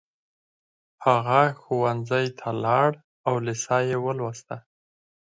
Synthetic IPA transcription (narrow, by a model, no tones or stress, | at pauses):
haɣaxuwanzajt̪ʰalɑɽ | awlɪsɑjewəlwast̪a